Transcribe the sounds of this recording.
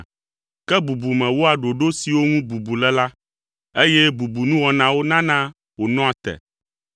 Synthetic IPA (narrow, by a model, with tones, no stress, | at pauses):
kɛ˦bu˨bu˨mɛ̃˨wo˦a˨ɖo˨ɖo˦si˨wo˦ŋũ˦bu˨bu˨lɛ˦la˦ | e˦jɛ˦bu˨bu˨nũ˦wɔ˨nã˦wo˦nã˦nã˦ | wo˨nɔ̃˦a˨t̪ɛ̰˨